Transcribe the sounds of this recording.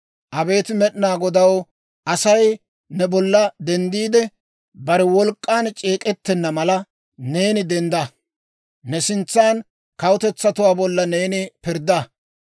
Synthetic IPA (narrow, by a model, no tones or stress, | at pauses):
ʔɐbe̞ːt̪ɪmɛɗnaːɡɔd̪ɐw | ʔɐsɐj | nɛbɔlːɐd̪ɛnd̪iːd̪ɛ | bɐɾɛwɔlkʼːaːnt͡ʃʼe̞ːkʼɛt̪ːɛnːɐmɐlɐ | ne̞ːnɪd̪ɛnd̪ɐ | nɛsɪnt͡sːaːn | kɐwʊt̪ɛt͡sːɐt̪ʊwaːbɔlːɐne̞ːnɪpɪɾd̪ɐ